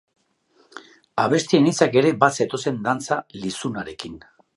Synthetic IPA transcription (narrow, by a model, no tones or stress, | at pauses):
aβ̞e̞st̪ienit͡sake̞ɾe̞base̞t̪o̞se̞nd̪ant͡salisunaɾe̞kin